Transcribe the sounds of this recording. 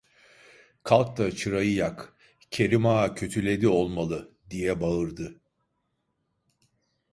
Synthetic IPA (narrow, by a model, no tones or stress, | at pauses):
kʰalˠk̚t̪at͡ʃʰɯɾajɯjak | cʰe̞ɾimaːcʰø̞t̪ʰylʲe̞d̪io̞lˠmalˠɯ | d̪ijɛbaɯɾd̪ɯ